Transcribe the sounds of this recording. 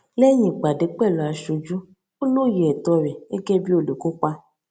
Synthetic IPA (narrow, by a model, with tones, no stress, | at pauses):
lɛ˦j̃ĩ˨ɡ͡ba˨de˨˦k͡pɛ˦˨lɔ˨a˨˧ʃo˧d͡ʒu˦ | o˦lo˦˨je˨ɛ˨tɔ˧ɾɛ˨e˦ɡɛ˦bi˦o˦˨lo˨ko˦k͡pa˦